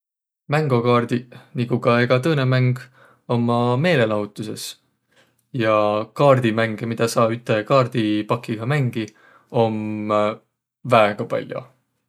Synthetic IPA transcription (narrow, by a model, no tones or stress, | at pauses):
mæŋɡ̥okɑːrd̪̥iniɡukɑe̞ɡ̥ɑt̪ɤːnemæŋɡ̥ | o̞mːɑme̞ːle̞lɑɦut̪ːˑuse̞̰s | jɑkɑːrd̪̥imæŋɡ̥emid̪̥ɑsɑːbyt̪ːˑekɑːrd̪̥ipɑkːiɡ̥ɑmæŋɡ̥i | o̞m | væeɡ̥ɑpɑ̰lʲjo̰